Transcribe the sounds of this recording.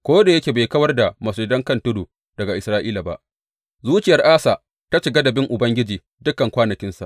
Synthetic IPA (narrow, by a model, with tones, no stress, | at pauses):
kʷoː˦da˨jɐ˦kʲeː˨beː˨jkɐ˦wɐ˦rda˨mɐ˨se˨dɐ˦ŋkɐ˦ntʊ˦duː˨ | dɐ˨ɡa˨ʔɪ˨sɾaː˦ʔḭː˦la˨ba̰˦ʔ | zuː˦t͡ʃɪ˨jɐ˨rʔaː˦sa˨ | ta˦ʃɪ˨ɡa˦dɐ˨bɪ˦ŋʔʊ˨bɐ˦ŋɡʲɪ˦d͡ʒiː˨ | dʊ˦kːɐ˨ŋkʷaː˦nɐ˨kʲɪ˦nsa̰˨ʔ